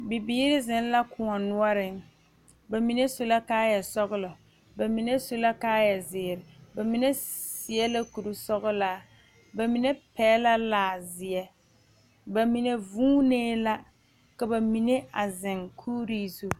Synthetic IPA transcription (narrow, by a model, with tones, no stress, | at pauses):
bɪ˨biː˦ɾɪ˦zɪ˨˦n˦la˦kʊ˨ŋɔ˨nʊ˦ɔ˦ɾɪ˦ŋ | ba˨mi˨ne˦so˦la˦kaː˦jɛ˨sɔ˦ɣʊ˦lɔ˨ | ba˨mi˨ne˦so˦la˦kaː˦jɛ˨zɪː˨ɾɪ˨ba˨mi˦ne˦sɪ˨ɛ˦la˦ku˨ɾu˦sɔ˦ɣʊ˦laː˦ | ba˨mi˨ne˦pɛː˦la˦laː˨zɪ˨ɛ˦ | ba˨mi˨ne˨vuː˦neː˦la˦ | ka˨ba˨mi˨ne˦a˨zɪ˨ŋkʰuː˦ɾiː˦zo˨